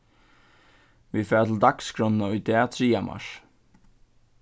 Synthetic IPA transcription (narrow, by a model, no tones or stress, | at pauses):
ʋifɛːɾat̪ʰɪld̪akskʰɾɔnnaʊjd̪ɛːt̪ʰɹiːama̰ʂ